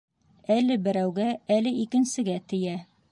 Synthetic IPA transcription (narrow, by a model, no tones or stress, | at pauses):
ælɘbɘ̆ɾæwɡæælɘikɘ̆nsɘ̆ɡæt̪ɘ̆jæ